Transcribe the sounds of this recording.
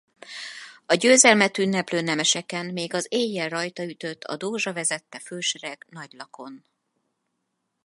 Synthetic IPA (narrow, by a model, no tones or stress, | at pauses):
ɒɟøːzɛlmɛt̪ynːɛpløːnɛmɛʃɛkɛnmeːɡɒzeːjːɛlrɒjt̪ɒyt̪ø̞t̪ʰːɒ̰d̪oːʒɒvɛzɛt̪ːɛfølʃɛɾɛɡnɒɟlɒko̞n